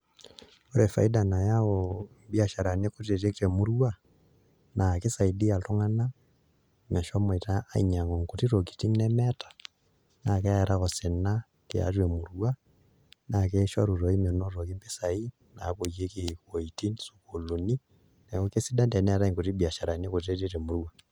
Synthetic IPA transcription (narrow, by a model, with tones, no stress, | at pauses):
ɔɾɛfa̰i˦dana˨jaɔ | bia˨ʃa˨ɾa˨ne˦ko˦t̬e˨te˦ke˨mu˦ɾua˦ | nʔake˦saidi˦ja˨lɔ˦ŋa˦na | mɛ˨ʃɔ˦mɔitaː˦ḭɲa˨ŋɔ˨ŋkoti˦ɾo˨k̬i̥˨tiŋnɛmɛtḁ˨ | nakɛ˦ɛɾa˦kɔsi˨na | kḭa̰twe˨mu˨ɾuwa | nakɛʃaɾu˨ɾo˨i˦mɔnɔ˦ɾo˨ki˦mbi˦sai | na̰ko˨je˦kikwo˨iti˦nsu̥ko˨lu˨ni | nɛko˦kesi˦da˦nda˨nɛ˦aɾa˦iŋku˨ti˦bia˨ʃa˨ɾane˦ku˨te˦te˦te˨mu˨ɾuwa